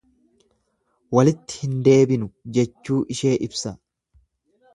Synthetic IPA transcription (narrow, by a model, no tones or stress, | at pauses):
wɐlɪt̪ːɪ̥hɪnd̪e̞ːbɪnʊd͡ʒɛt͡ʃːuːʔɪʃe̞ːʔɪbsɐ